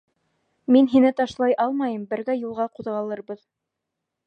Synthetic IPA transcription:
minɦinɘt̪ɑʃlˠɑjʔɑlˠmɑjɤmbɘ̆ɾɡæjulˠʁɑquðʁɑlˠɤɾbɤð

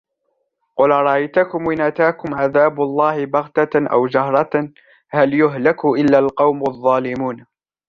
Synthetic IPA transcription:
qʊlɾˤɑʔajt̪akʊmwɪnat̪aːkʊmʕaðaːblˤːɑːhɪbɑɣt̪aʔa̰wd͡ʒaɦɾˤɑ | haljʊɦlɪkʊʔɪlːalqɑwmɑðˤːɑːlɪmuːn

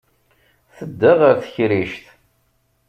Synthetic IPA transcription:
θəd̪ːəʁəɾθçɾiʃt̪

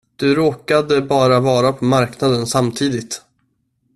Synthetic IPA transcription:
d̪̥ɵɾoːkad̪əbɑːɾavɑːɾapʰɔmaɾknad̪ənsamt̪ʰiːd̪ɪt̪

